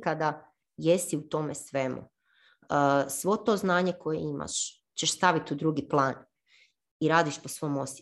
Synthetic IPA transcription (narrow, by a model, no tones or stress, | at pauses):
kad̪a | jesiut̪o̞mesʋe̞mṵ | sʋo̞t̪o̞ːznaːɲeko̞jḛima̰ʃ | t͡ɕeʃst̪aʋit̪ud̪ɾuɡiplˠaːn | iɾaːd̪iʃpo̞sʋo̞ːmo̞s